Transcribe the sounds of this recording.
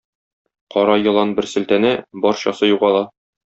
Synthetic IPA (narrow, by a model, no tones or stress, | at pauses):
qɒɾɑjɤ̆lˠɑnbɘɾsɘ̆lt̪ænɘbɒɾɕɒsɤjuʁɑlˠɑ